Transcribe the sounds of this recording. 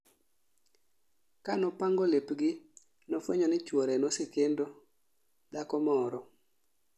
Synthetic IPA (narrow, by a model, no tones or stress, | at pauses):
kanɔpaŋɡolepɡɪ | nofweɲɔnɪt͡ʃwoɾenosɪkendo | dakɔmɔɾɔ